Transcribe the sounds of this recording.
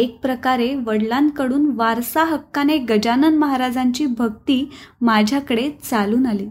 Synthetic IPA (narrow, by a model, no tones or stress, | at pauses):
ek̚pɾəkaɾeʋəɽlãnkəɽuːnʋaɾsaɦəkːaneɡəd͡ʑanənməɦaɾad͡zaɲt͡ɕiːbʱəɡ̚t̪iːmad͡ʑʱjakəɽet͡saluːnaliː